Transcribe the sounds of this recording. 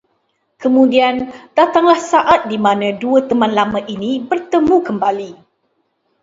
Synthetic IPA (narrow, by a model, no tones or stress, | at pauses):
kəmũdiandat̪aŋlahsaʔat̪̚dimãnãduət̪əmãnlamãʔinĩbərt̪əmũkəmbali